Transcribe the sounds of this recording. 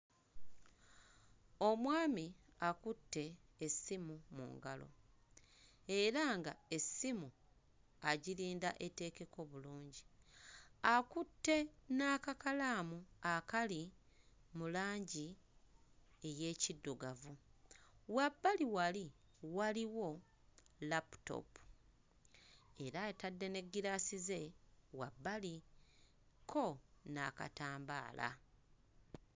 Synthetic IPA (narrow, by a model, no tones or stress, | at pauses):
o̞mwaːmiakutːe̞ːsimumṵːŋɡalo̞̰ | e̞ɾaŋɡae̞sːimu | aɟiliːnda̰ʔete̞ːke̞ko̞βuluːɲɟi | akutːe̞naːkakalaːmuakali | mulaːɲɟi | eje̞ːcidːuɡavu | wabːaliwali | waliwo̞ | lapu̥to̞̰pu̥ | e̞ɾaetadːe̞ne̞ɡːiɾaːsize̞wa̰bːali | kʰo̞na̰ka̰taːmba̰ːla̰